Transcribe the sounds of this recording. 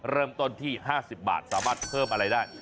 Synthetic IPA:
ɾɤː˥˩mt̪o˥˩nt̪ʰiː˥˩ɦaː˥˩si˨˩p̚ba̰ː˨˩t̪̚saː˩˦maː˥˩t̪̚pʰɤː˥˩mʔa˧ɾa˧jdaː˥˩j

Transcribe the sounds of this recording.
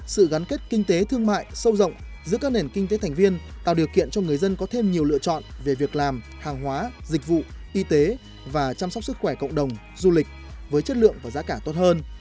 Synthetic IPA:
sɨ̰˧˨ɣa˨˦nke˦˥t̚ki˧ŋ̟t̪e˨˦t̪ʰɨ˧əŋma̰ː˧˨jsə˧wzə̰˧˨wŋ͡mzɨ̰˧˥əkaː˦˥k̚ne˨˩nkï˧ŋ̟t̪e˨˦t̪ʰa˨˩ŋ̟vi˧ənt̪a̰ː˧˨wɗi˨˩əwkḭ˧˨ənt͡ɕɔ˧ŋɨ˨˩əjzə˧nkɔ˨˦t̪ʰe˧mɲi˨˩əwlɨ̰˧ət͡ɕɔ̰˧˨nve˨˩vi˨˩ək̚laː˨˩m | haː˨˩ŋɦwaː˨˦zï˨˩k̟̚vṵ˧˨ʔi˧t̪e˨˦ | vaː˨˩t͡ɕaː˧msɔ˦˥k͡p̚sɨ˦˥kxwɛ˧˩kə̰˧˨wŋ͡mɗə˨˩wŋ͡m | zu˧li˨˩k̟̚vəː˨˦jt͡ɕə˦˥t̚lɨ̰˧˨əŋvaː˨˩zaː˨˦kaː˧˩t̪o˦˥t̚həː˧n

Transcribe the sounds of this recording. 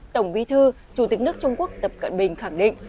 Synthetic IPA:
t̪ə˧˩wŋ͡mɓwi˨˧˦t̪ʰɨ˧ | t͡ɕu˧˩t̪ï˨˩k̟̚nɨ˦˥ək̚t͡ɕʊ˧ŋ͡mku˦˥ək̚t̪ə˨˩p̚kə̰˧˨nɓï˨˩ŋ̟xa˧˩ŋɗḭ˧˨ŋ̟

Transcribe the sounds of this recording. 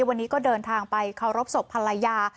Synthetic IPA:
wa˧nːiː˦˥kɔː˥˩dɤː˧nt̪ʰaː˧ŋpa˧jkʰa˨˩wɾo˦˥p̚so˨˩pʰːa˧lːa˧jaː˧

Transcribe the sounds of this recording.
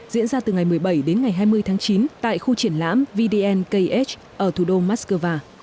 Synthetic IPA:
zḭ˧˥nzaː˧t̪ɨ˨˩ŋa˨˩jmɨ˨˩əjɓə˧˩jɗe˨˦nŋa˨˩jɦaː˧jmɨ˧əjt̪ʰaː˨˦t͡ɕi˨˦nt̪a̰ː˧˨jxu˧t͡ɕi˧˩ənla̰ː˧˥mvi˧ɗi˧ʔɛ˧nkə˧jʔe˦˥t͡ɕ | ʔəː˧˩t̪ʰu˧˩ɗo˧maː˦˥t̚skəː˧vaː˧

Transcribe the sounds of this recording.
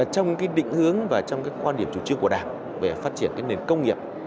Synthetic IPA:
t͡ɕɔ˧wŋ͡mkaː˨˦jɗḭ˧˨ŋ̟hɨ˨˦əŋvaː˨˩t͡ɕɔ˧wŋ͡mkaː˨˦jkwaː˧nɗi˧˩əmt͡ɕu˧˩t͡ɕi˧əŋku˧˩əɗa̰ː˧˩ŋ | ve˧˩faː˦˥t̚t͡ɕi˧˩ənkaː˨˦jne˨˩nkə˧wŋ͡mŋi˨˩əp̚

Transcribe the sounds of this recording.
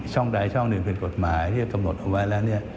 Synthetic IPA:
t͡ɕʰɔ˥˩ŋda˧jt͡ɕʰɔ˥˩ŋnɯ˨˩pe˧nko˨˩t̪̚maː˩˦jt̪ʰi˥˩ka˧mno˨˩t̪̚ʔa˧wa˦˥jlɛː˦˥wni˥˩ɐ

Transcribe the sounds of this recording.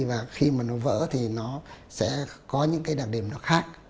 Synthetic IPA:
vaː˨˩xi˧maː˨˩nɔ˨˦və̰ː˧˥t̪ʰi˨˩nɔ˨˦ | sɛ̰˧˥kɔ˨˦ɲɨ̰˧˥ŋkaː˨˦jɗaː˨˩ŋ̚ɗi˨˩əmnɔ˨˦xaː˦˥k̚

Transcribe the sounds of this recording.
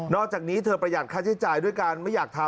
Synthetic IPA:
nɔː˥˩k̚t͡ɕaː˨˩k̚niː˦˥t̪ʰɤː˧pɾa˧jaː˨˩aː˥˩t͡ɕʰa˦˥t͡ɕaː˧jdu˥˩əjkaː˧nma˥˩jːaː˨˩k̚t̪ʰa˧

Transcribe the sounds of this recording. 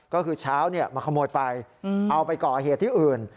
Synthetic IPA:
kɔː˥˩kʰɯː˧t͡ɕʰaː˦˥wni˥˩ɐmaː˧kʰa˧mːoː˧jpa˧jʔa˧wpa˧jkɔː˨˩ɦeː˨˩t̪ʰːiː˥˩ʔɯː˨˩n

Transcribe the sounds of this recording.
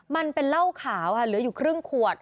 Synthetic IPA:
ma˧npe˧nla˥˩wkʰaː˩˦wkʰa˥˩lɯː˩˦ɐjuː˨˩kʰɾɯ˥˩ŋkʰu˨˩ət̪̚

